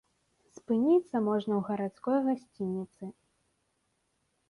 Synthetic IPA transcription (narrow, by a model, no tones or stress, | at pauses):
spɨnʲit̪sːɐmɔʐnɐwɣɐɾat̪skɔjɣasʲt͡sʲinʲːit̪sɨ